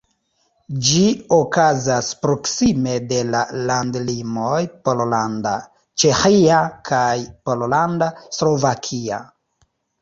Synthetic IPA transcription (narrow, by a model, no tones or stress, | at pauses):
d͡ʒiokazaspɾo̞ksime̞de̞lalandlimo̞jpololanda | t͡ʃe̞xiakʰajpo̞lolandaslo̞vakʰia̰